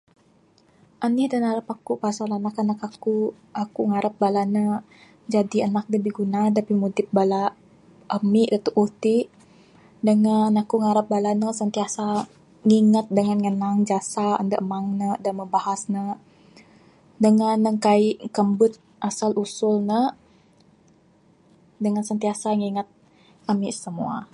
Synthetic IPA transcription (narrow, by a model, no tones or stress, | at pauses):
ʔanihdanaɾəpakupasalanakanakaku | ʔakuŋaɾap̚balanə | d͡ʒadiənak̚ləbihɡunadapimudɪp̚bala | ʔəmiʔdat̪uʔut̪i | dəŋanakuŋaɾap̚balanəsənt̪iasa | ŋiŋət̪̚dəŋanŋənaŋd͡ʒasaə̰ndəʔmaŋnədanməmbahasnə | dəŋanːəŋkaiʔkəmbʊt̪̚ | ʔasalʔusʊlnə | dəŋansənt̪iasaŋiŋat̪̚ | əmiʔsəmua̰